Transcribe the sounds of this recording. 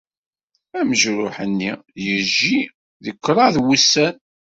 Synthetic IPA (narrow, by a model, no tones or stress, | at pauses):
æməʒɾʊħənːijəʒi | ðəkːɾˤɑðwusːæn